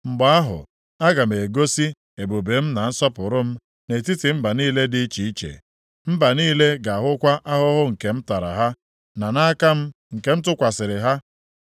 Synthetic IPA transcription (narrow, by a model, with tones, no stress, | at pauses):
ŋ͡m̩˨ɡ͡ba˨a˦ɦʊ̰˨ | a˦ɡa˨m˨e˨ɡo˦si˦ | e˨bo˨be˨˦m̩˦na˨n̩˦sɔ˦pʊ˨ɾʊ˦m̩˦ | ne˨ti˦ti˨m̩˦ba˨niː˦le˦dɪ˦t͡ʃi˨i˦t͡ʃḛ˨ | m̩˦ba˨niː˦le˦ɡa˨a˨ɦʊ˦kʷa˦ʔa˦ɦʊ˦ɦʊ˦ŋ̩˨ke˨m̩˦ta˨ɾa̰˨ɦa˦ | na˨na˦ka˦m̩˦ | ŋ̩˨ke˨m̩˦t̬ʊ˦kʷa˨sɪ˨ɾɪ˨ɦa˦